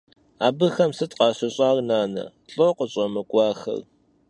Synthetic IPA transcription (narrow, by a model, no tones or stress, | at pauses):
aːbɨxɐmsɨtqɑːɕɐɕʼaːrnaːnɐ̰ | ɬʼoqəɕʼɐmɐkʷʼɑːxɐ̰r